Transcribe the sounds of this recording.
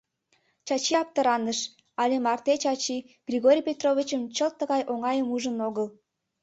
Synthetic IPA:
t͡ɕɑt͡ɕiɑp̚t̪əɾɑnəʃ | ɑlʲemɑrt̪et͡ɕɑt͡ɕi | ɡ̥rʲiɣoɾʲijpʲet̪rovʲit͡ɕəmt͡ɕəlt̪ːəɣɑjʔoŋɑjəmuʒənoɣəl

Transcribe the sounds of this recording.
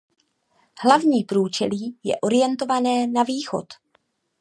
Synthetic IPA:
hlavɲiːpɾuːt͡ʃɛ̰liːjɛ̰ʔo̞ɾɪjɛnt̪o̞vanɛːnaviːxo̞̰t̪

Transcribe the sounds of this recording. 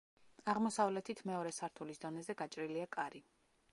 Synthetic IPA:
aʁmɔsavlɛt̪ʰit̪ʰmɛɔɾɛsaɾt̪ʰulisd̪ɔnɛzɛɡat͡ʃʼɾiliakʼaɾi

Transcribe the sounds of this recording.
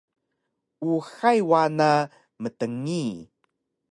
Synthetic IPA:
ʔuxajwana | mətəŋi

